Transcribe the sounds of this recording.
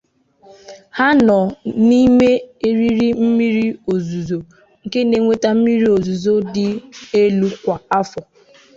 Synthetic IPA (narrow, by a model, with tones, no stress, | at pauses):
ha˦nɔ˨ni˦me˦e˦ɾi˦ɾi˦m̩˦mi˦ɾi˦o˨zu˨zo˨ | ŋ̩˨ke˦ne˨ŋʷe˦ta˦m̩˦mi˦ɾi˦o˨zu˨zo˦dɪ˦e˦lu˦kʷa˨a˦fɔ˨